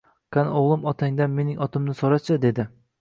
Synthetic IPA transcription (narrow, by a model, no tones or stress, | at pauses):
kʰanoʁlˠɪmɒt̪ʰaŋd̪anme̞nɪŋʔɒt̪ʰɪmnɪsoɾat͡ʃʰɪd̪e̞d̪ɪ